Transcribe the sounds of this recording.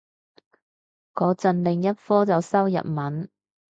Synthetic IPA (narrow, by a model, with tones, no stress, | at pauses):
kɔː˨˧t͡sɐ˨˧nlɪ˨ŋjɐ˥t̚fɔː˥t͡sɐ˨wsɐ˥wjɐ̰˨p̚mɐ˨˥n